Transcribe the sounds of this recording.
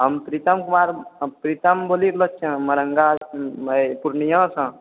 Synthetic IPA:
ɦəmpɾit̪əmkumaɾpɾit̪əmboliklət͡ʃʰə̃məɾəŋɡaəpuɾnijə̃sə̃

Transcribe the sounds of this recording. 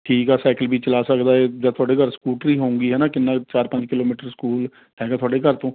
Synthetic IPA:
ʈʰiːkɦɛːsɛːkəlbʱiːt͡ʃəlaːsəkd̪aːɛːd͡ʒaːt̪ʰʊaːɖeːkəɾskuːʈɾiːɦõːŋɡiːɦɛːnãːkɪnːãːt͡ʃaːɾpə̃ɲd͡ʒkɪloːmiːʈəɾskuːl | ɦɛːɡaːt̪ʰʊaːɖeːkəɾt̪õː

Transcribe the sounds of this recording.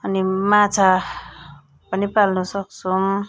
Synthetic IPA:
ʌnimat͡sʰa | pʌnipalnʌsʌk̚t͡sʰum

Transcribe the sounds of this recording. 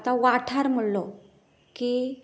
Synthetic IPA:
t̪aʋaʈʰaɾm̤əɽlɔ | ki

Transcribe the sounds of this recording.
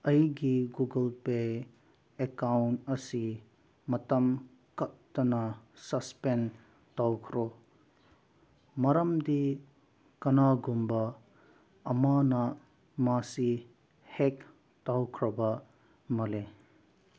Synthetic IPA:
ɐjɡiɡuɡɐlpe | ekawntɐsi | mɐtɐm | kɐt̚tɐnɐsɐspen | tawkʰɾo | mɐɾɐmdi | kɐnaɡumbɐ | ɐmanɐ | masi | hek̚ | tawkʰɾɐbɐ | mɐle

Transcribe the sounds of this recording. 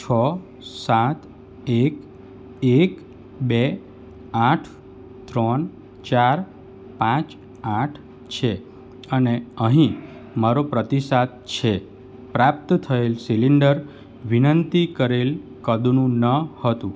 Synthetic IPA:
t͡ʃʰə | sat̪ | ek | ek | be | aʈʰ | t̪ɾən | t͡ʃaɾ | pãt͡ʃ | aʈʰ | t͡ʃʰe | əneəɦĩ | maɾopɾət̪isat̪̚t͡ʃʰe | pɾap̚t̪t̪ʰəelsiliɳɖəɾ | ʋinənt̪ikəɾelkəd̪nũnəhət̪ũ

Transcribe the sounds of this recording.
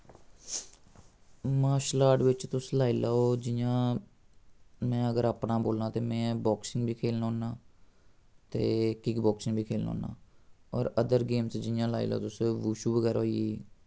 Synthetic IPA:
maːʃlaːɖʋɪt͡ʃt̪ʊslaːilaːoːd͡ʒɪjãː | mɛ̃ːəɡəɾaːpnãːboːlnaːt̪eːmɛ̃ːbɔːksɪŋɡbʱiːkʰeːlnːoːnãː | t̪eːkɪɡbɔːksɪ̃ŋɡbʱiːkʰeːlnõ̰ːnã̰ːɔːɾəd̪əɾɡeːmsd͡ʒɪjãːlaːḭːla̰oːt̪ʊsʋuːʃuːʋəɡɛːɾaɦoːieː

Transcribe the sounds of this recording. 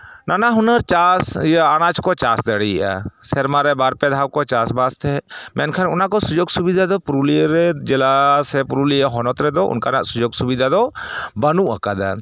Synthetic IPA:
nanaɦunəɾt͡ʃasjanad͡ʒkɔt͡ʃasd̪əɽḭʔa̰sɛɾmaɾɛbaɾpɛd̪ʱawkɔt͡ʃasbast̪ʰɛmɛnkʰanʊnakɔsud͡ʒoɡsubid̪ʱad̪ɔpɾuliɾɛd͡ʒɛlasɛpuɾuliaɦɔnɔt̪ɾɛd̪ɔʔʊ̰nkana̰ʔsud͡ʒoɡsubid̪ʱad̪ɔbənuʔakad̪a̰

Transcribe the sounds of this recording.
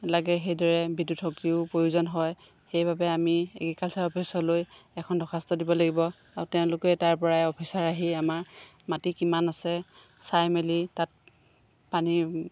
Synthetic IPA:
laɡɛxejdɔɹɛbidutʰɔkiʊpɹojuzɔnɦɔj | xejbabɛamiḛkikalsaɹɔpʰisɔlojɛkʰɔndɔxʰastɔdibɔlaɡibɔ | aɹutɛʊ̃lʊkɛtaɹpɔɹaɛɔpʰisaɹaɦiamaɹmatikimanasɛsajmelitat̚ | pani

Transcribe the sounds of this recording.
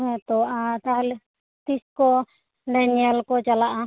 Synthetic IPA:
ɦɛ̃t̪ɔaʔat̪aɦl | t̪iskɔ | ɖaniɛlkɔt͡ʃalaʔa

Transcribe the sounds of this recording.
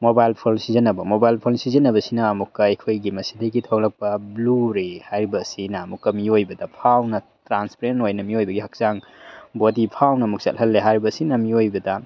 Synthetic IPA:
mobajlpʰolsizɐnːɐbɐmobajlpʰolsizɐnːɐbɐsinɐːmukːɐɐjkʰojɡimɐsidɐjɡitʰɐwlɐk̚pɐbluɾehajɾibɐsinɐːmukːɐmiojbɐdɐpʰawnɐ | tɾanspɾentojnɐmiojbɐɡihɐk̚zaŋ | bodipʰawnɐːmuk̚sɐ̰lɦɐlːeɦajɾibɐsinɐmiojbɐdɐ

